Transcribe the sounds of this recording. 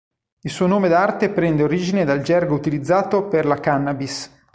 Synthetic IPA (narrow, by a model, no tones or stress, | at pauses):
ilsuːonoːmed̪art̪epɾɛnd̪eoɾiːd͡ʒined̪ald͡ʒɛrɡout̪ilid̪zːaːt̪operlakanːabis